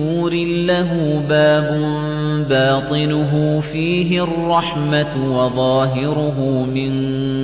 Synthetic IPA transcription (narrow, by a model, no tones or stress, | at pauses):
uːɾɪːaɦuːbaːbʊm | bɑːt̪ˤɨnʊɦʊfiːɦɪrˤːɑħmat̪wɑðˤɑːɦɪɾʊɦʊːmɪn